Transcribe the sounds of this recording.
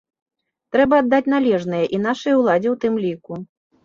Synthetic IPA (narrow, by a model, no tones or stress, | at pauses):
t̪ɾɛbɐːd̪ːat͡sʲnalʲɛʐnɨjɐʔin̪aʂɨjɐwlˠad͡zʲiwt̪ɨmlʲiku